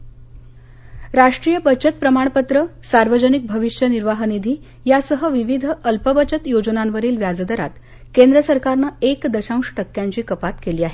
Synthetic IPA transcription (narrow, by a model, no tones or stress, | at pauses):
ɾaʂʈɾijəbət͡ɕət̪̚pɾəmaɳ̃pət̪ɾəsaɾʋəd͡ʑənik̚bʱəʋiʂjəniɾʋaɦənid̪ʱiː | jasəɦəʋiʋid̪ʱəʔəlpəbət͡ɕət̪jod͡ʑənanʋəɾiːlʋjad͡zd̪əɾa̰t̪ | kend̪ɾəsəɾkaɾnəekd̪əɕãw̃ʂʈəkːjaɲt͡ɕiːkəpat̪keliːaɦe